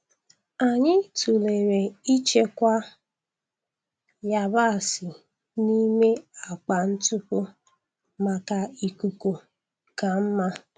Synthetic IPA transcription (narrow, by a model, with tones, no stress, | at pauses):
a˨ɲɪ˦tu˨le˨ɾe˨i˦t͡ʃe˦kʷa˦ | ja˨ba˦˨sɪ˨ | ni˦me˦a˨k͡pa˨n̩˦tʊ˦pʊ˦ | ma˨ka˨i˨ku˨ku˨ | ka˨m̩˦ma˦